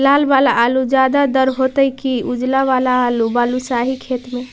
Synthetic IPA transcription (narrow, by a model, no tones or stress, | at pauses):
laːlbalaalud͡ʒad̪ad̪əɾɦot̪əikiud͡ʒlaʋalaːlubalusaɦikʰeːt̪mẽ